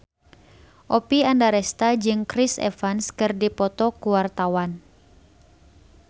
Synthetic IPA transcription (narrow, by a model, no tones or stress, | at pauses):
ʔɔpiandaɾɛst̪ad͡ʒɨŋkɾisɛ̰fanskɨrdipɔt̪ɔkuwart̪awan